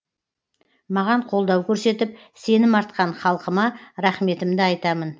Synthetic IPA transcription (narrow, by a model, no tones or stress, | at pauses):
mɑʁɑɴqʰo̞lˠd̪ɑwkʲʰɵɾse̞t̪ɪp̚ | se̞nɪmɑɾt̪̚qɑɴχɑlˠqəmɑɾɑχme̞t̪ɪmd̪ɪɑjt̪ɑmən